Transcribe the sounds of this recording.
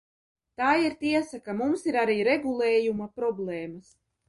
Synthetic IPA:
t̪aːiɾt̪iɛsakamumsiɾaɾiːɾeɡulˠeːjumapɾɔblˠeːmas

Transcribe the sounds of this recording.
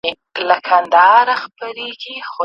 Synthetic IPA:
lakʰand̪ɑɾaxpaɾeɡixo

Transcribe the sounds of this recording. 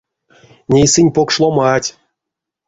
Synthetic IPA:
nʲejsɨnʲpokʂlˠomɑtʲ

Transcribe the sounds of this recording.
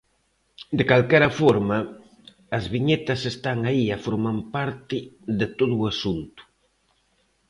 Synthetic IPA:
d̪ekalkɛɾɐfɔɾmɐː | zβiɲet̪ɐsest̪aŋaiafoɾmampaɾt̪ɪðet̪oðuʊːasunt̪ʊ̥

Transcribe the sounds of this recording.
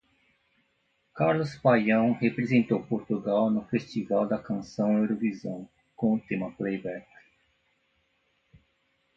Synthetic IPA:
kaɾlʊspajɐ̃w̃hepɾezẽnt̪owpoɾt̪uɡawnʊfest͡ʃivawd̪ɐkɐ̃sɐ̃w̃ewɾovizɐ̃w̃ | kõʊt̪ẽmɐplejbɛɾt̪

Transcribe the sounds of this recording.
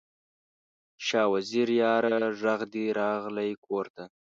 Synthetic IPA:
ʃɑːwaziɾjɑːɾaʐaɣd̪iɾɑɣlajkʰoɾt̪a

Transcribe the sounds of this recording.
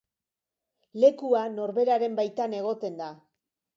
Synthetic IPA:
le̞kuano̞ɾβe̞ɾaɾe̞mbajt̪ane̞ɣ̞o̞t̪e̞nd̪a

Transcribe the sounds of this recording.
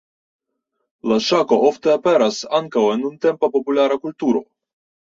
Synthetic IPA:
laʃakoʔoft̪eapeɾasaŋkawenunt̪e̞mpapo̞pulaɾakult̪uɾo̞̰

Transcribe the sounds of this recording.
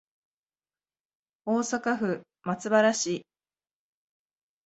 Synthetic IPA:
o̞ːsakaɸɯ̟ | mat͡sɨbaɾaɕi

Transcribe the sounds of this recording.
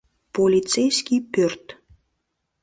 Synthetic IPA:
polʲitt͡sejskʲipørt̪

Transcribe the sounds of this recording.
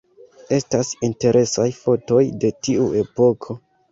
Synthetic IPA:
e̞stasinte̞ɾʔe̞sajfo̞to̞jde̞tiue̞po̞kʰo̞

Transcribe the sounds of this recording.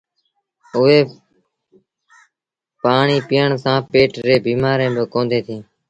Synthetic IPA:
ʊɦeː | paːɳiːpɪːəɳsãːpeːʈɾeːbiːmaːɾẽːbəkõːnd̪ʱeːt̪ʰĩː

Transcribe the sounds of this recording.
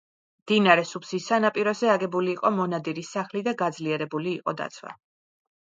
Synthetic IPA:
md̪̥inaɾɛsupsisːanapʼiɾɔzɛaɡɛbuliːqʼɔmɔnad̪iɾisaχlid̪aɡad̪zliɛɾɛbuliːqʼɔ̰d̪a̰t̪sʰwa̰

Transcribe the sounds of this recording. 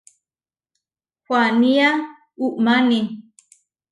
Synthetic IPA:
hwania | uʔmani

